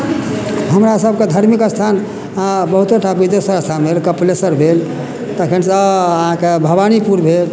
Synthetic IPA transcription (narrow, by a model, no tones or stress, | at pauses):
ɦəmɾasəb̚ʱked̪ʱəɾmikəst̪ʰan | abəɦut̪eʈʰabid̪esəɾəst̪ʰanbʱelkəplesəɾbʱel | t̪əkʰənsəɦãkebʱəbanipuɾbʱel